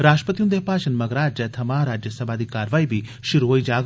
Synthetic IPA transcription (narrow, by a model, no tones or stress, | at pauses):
ɾaːsʈə̥pət̪iund̪epaːt͡ʃɐnmɐɡɾaːd͡ʒɐt̪ʰɐmaːɾaːd͡ʒjəsɐbʱaːd̪iːkaːɾʋaːibʱi | ʃiɾʋoːid͡ʒaːɡ